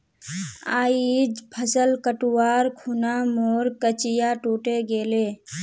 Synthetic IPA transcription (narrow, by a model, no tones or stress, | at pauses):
aːiːd͡ʒpʰəsəlkəʈʊwaːɾkʰuːnamoːɾkət͡ʃɪjaʈuːʈeɡeːleː